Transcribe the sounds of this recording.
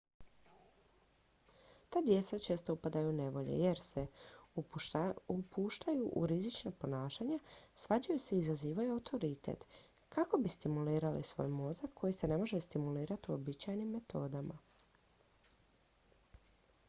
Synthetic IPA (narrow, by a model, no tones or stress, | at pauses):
t̪aːd̪je̞t̪sat͡ʃe̞ːst̪o̞upad̪ajuune̞ʋo̞ʎe̞̰je̞ɾse̞ | upuːʃt̪ajuʔṵɾizit͡ʃnapo̞naːʃaɲasʋad͡ʑajuse̞izaziːʋajuawt̪ʰo̞ɾit̪ḛt̪ | kako̞bist̪imuliːɾalḭsʋo̞̰ːjmo̞zakːo̞jise̞ne̞mo̞ʒest̪imuliːɾat̪iuo̞bit͡ɕajnimːe̞t̪ʰo̞ːd̪ama̰